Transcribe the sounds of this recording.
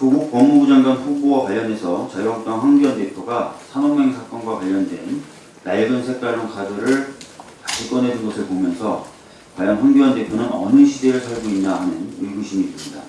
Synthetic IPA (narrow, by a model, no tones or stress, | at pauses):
kɯɡup͈ʌŋmuɡud͡ʑaŋɡanɸubowakwaʎjːʌne̞sʰʌt͡ɕajk̚t͈aŋɸwanɡjuɦande̞pʰjoɡasʰanoŋe̞ŋsʰak͈ʌnɡwakwaʎːʌndwe̞̰n | naɭɡɯnsʰe̞k̚t͈aɭːoŋkʰadɯɾɯɭkaɕʰik͈ʌnɦe̞dɯnɡʌsʰɯɭpomjʌnsʰʌ̰ | kwajaŋɸwanɡjuɦante̞pʰjonɯnʌ̰nɯɕʰide̞ɾɯɭsʰaɭɡoinːahanɯ̰niɭɡuɕʰimiːs͈ɯmɲida